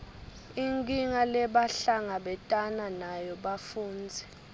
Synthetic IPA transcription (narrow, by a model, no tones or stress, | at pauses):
iŋkʼiŋalɛɓaɬaŋaɓɛtʼananajɔɓafuːnd͡zʱɛ